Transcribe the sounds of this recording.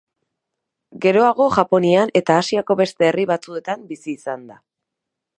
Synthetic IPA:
ɡe̞ɾo̞aɣ̞o̞ʝapo̞niane̞t̪aːsiako̞βe̞st̪e̞ːriβat͡sue̞t̪ambisiːsand̪a

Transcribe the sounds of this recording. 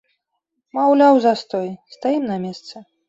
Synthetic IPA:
mawlʲawzɐst̪ɔjst̪ajimnɐmʲɛst̪sɛ

